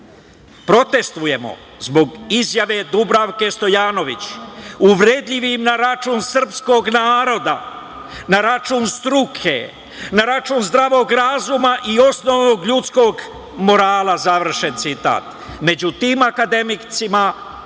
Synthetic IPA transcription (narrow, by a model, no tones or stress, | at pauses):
pɾo̞t̪e̞st̪ʋuje̞mo̞̰ | zbo̞ɡizjaʋe̞d̪ubɾaʋke̞st̪o̞jaːno̞ʋit͡ɕuʋɾed̪ʎiʋimnaɾat͡ʃuːnsr̩psko̞ːɡnaːɾo̞d̪a̰ | naɾat͡ʃuːnst̪ɾukʰe̞̰ | naɾat͡ʃuːnzd̪ɾaʋo̞ːɡɾazumaʔio̞sno̞ʋno̞ːɡʎut̪sko̞ɡ | mo̞ɾaːlˠazaʋr̩ʃe̞nt̪sit̪a̰ːt̪ | me̞d͡ʑut̪iːmakad̪e̞mit̪sima